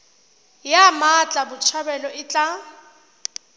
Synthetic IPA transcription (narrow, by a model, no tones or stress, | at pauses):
jamat͡ɬʼabʊt͡ʃʰabɛlɔɪt͡ɬʼa